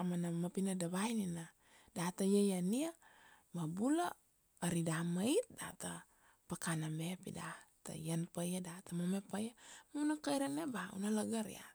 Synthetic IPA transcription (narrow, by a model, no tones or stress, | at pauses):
amanamapinadabainina | dat̪ajajaniamabulaː | ɾidamait̪̚da̰t̪a | pakanabepḭdat̪a̰janpajadat̪amomepajamaunakaiɾanebaṵnalaɡaɾj̰a̰